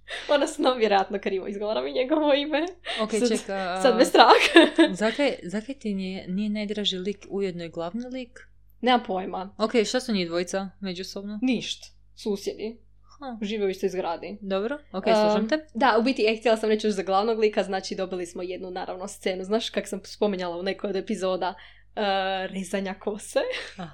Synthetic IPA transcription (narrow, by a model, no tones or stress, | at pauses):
onasunamaʋjeɾojat̪nokɾiːʋoizɡoʋaɾamiɲeɡoʋoimeokket͡ʃekasad̪best̪ɾaxzakajzakajt̪inienijenajd̪ɾaʒilikujed̪nojɡlˠaʋnilik | nemapojmaokejʃt̪asuɲid̪ʋojt̪samed͡ʒusobnoniʃt̪ḁ | suːsjed̪i | hauʒiːʋioiʃt̪eizɡɾaːd̪id̪obɾookesuʒɾimt̪ed̪aubit̪iext̪jelˠasamɾet͡ʃjoʃzaɡlˠaʋnoɡlˠiːkaznaːt͡ʃid̪o̞bilismojed̪nunaːɾa̰ʋnost̪seːnuznaːʃkaksamspo̞miɲalˠaune̞kojod̪epizo̞ːd̪a | ɾezaɲakʰose